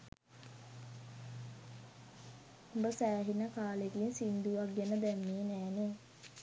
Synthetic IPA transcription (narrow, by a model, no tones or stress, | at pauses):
umbəsæːɦinəkaːlekinsind̪uʋaɡːenəd̪ɛmːiːnæːne